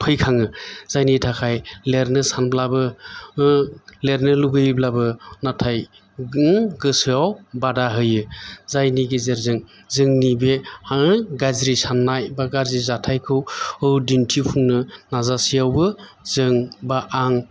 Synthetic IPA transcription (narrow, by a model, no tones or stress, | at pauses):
pʰɯjkʰaŋɯz̥ajnitʰakʰajleɾnɯsanblabɯ | leɾnɯluɡɯjblabɯnatʰaj | ɡɯsɯawbadaɦɯjɯzajniɡezeɾzɯŋ | zɯŋnibehaɡazɾisanːajbaɡaɾzɾizatʰajkʰɯwɯwdintʰipʰuŋnɯnazasijawbɯzɯŋbaʔaŋ